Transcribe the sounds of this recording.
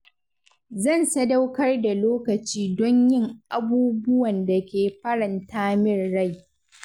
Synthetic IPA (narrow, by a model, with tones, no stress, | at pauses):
zɐ˦˨nsɐ˦da˦wkɐ˦rda˨loː˦kɐ˨t͡ʃiː˦dɔ˦ɲjɪ˦ŋʔa˨buː˦bʊ˦wɐ˨nda˨kʲeː˨ɸɐ˦ɾɐ˨ntʰaː˦mɪ˦rːa˦˨j